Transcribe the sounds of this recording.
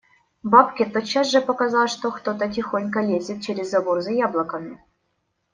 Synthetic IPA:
bapkʲɪt̪ot̪t͡ɕːasʐɨpɐkɐzɑlˠʂt̪okt̪ot̪ətʲɪxonʲkəlʲezʲɪt̪̚t͡ɕeɾʲɪzːɐborzɐjablˠəkəmʲɪ

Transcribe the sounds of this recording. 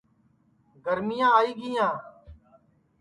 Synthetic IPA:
ɡəɾmɪjãːaːiːɡɪjãː

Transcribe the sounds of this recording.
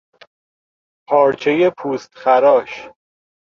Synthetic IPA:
pʰɒːɾt͡ʃʰejepʰuːst̪xæɾɒːʃ

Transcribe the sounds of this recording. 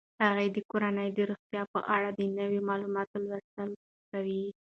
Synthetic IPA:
haɣajd̪əkoɾanəjd̪əɾoxt̪jɑpə̰ʔaɽad̪ənəwemɑlumɑt̪olwəst̪əl | kawi

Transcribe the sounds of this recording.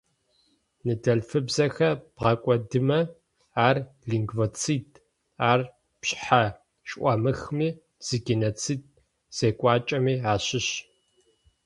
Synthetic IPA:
nɨdɐɮfɨbzɐxɐb̥ʁɐkʷʼɔdɨmɐ | aːrɮiŋɡvot͡sʰiːdʼ | aːr | pɕħa | ɕʼʔʷɐmɨxmiː | z̥ɨɡenoːt͡sʰiːd̚ | z̥eːkʷʼaːt͡ʃʼɐmiːaːɕɪɕ

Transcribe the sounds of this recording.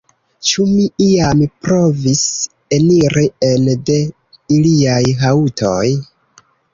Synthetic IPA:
t͡ʃumiiampɾo̞vis | eniɾiende̞ | iliajɦautʰoj

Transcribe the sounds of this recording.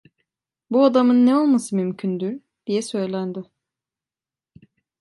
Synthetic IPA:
buad̪amɯnːɛo̞lˠmasɯmymcʰynd̪yɾ | d̪̥ijɛsø̞jlʲænd̪ɪ

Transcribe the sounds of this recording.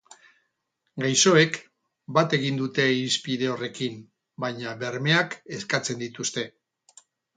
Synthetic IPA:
ɡajso̞e̞k | bat̪e̞ɣind̪ut̪e̞ispiðe̞o̞re̞kim | bajɲaβe̞ɾme̞ake̞skat͡se̞nd̪it̪ust̪e̞

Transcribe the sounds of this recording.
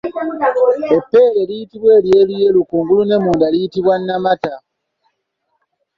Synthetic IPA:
epːe̞ːle̞lijitiβwe̞ːlje̞ːluje̞lukuːŋɡulune̞muːndalijitiβwanːamata

